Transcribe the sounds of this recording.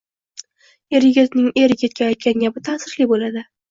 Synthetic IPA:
e̞ɾjɪɡʲɪt̪nɪŋe̞ɾɪɡʲet̪̚kʲʰaajt̪̚kʲanɡʲabɪt̪ʰaːsɪɾlɪbolad̪ɪ

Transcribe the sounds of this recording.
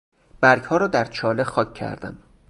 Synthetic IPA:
b̥æɾɡhɒːɾɒːd̪æɾt͡ʃʰɒːlexɒːcʰːæ̰ɾd̪æ̰m

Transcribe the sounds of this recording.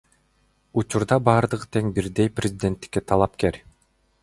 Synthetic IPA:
ut͡ʃuɾd̪ɑbɑːɾd̪ɯʁɯt̪ʰe̞ŋbiɾd̪e̞jprʲɪzʲɪd̪ʲe̞nt̪ːi̥kːet̪ʰɑlˠɑpke̞ɾʲ

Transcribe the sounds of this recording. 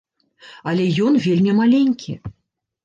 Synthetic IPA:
ɐlʲɛjɔnvʲelʲmʲimalʲenʲkʲʰḭ

